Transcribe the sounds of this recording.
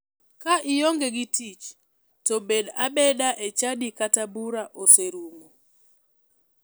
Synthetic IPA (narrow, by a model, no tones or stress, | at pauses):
kaʔɪjoŋɡɛɡitit͡ʃ | tɔbedabɛdaʔet͡ʃadikatabuɾaʔoseɾuŋo